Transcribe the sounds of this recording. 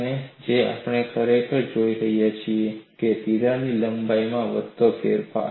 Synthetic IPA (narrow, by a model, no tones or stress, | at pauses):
ned͡ʒea̰pɳ̃ekʰəɾekəɾd͡ʒoiɾəɦijat͡ʃʰieket̪iɾaniləmbaimãʋəd̪okeɾpa̰